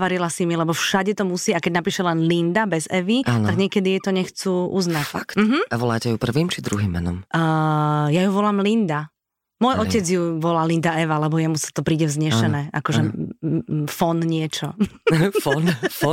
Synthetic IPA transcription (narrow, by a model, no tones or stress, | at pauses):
ʋaɾilasimilɛbɔfʃaɟɛt̪ɔmusiːakɛɟnapiːʃɛlɛnlind̪abɛzɛʋiant̪aɡɲɪɛkɛd̪ijɛt̪ɔɲɛxt͡suʔuznacktm̩ɦm̩aʋɔla̰ːcɛjupr̩ʋiːmt͡ʃid̪ɾuɦiːmːɛ̰nɔ̰mː | jajuʋɔlaːmlind̪a | mʊɔjɔcɛd͡zjuʋɔlaːlind̪aɛʋalɛbɔjɛmusḁt̪ɔpɾiːɟɛvzɲɛʃɛnnɛːʔa̰kɔʒɛ | fɔnɲɪɛt͡ʃɔ | fɔnf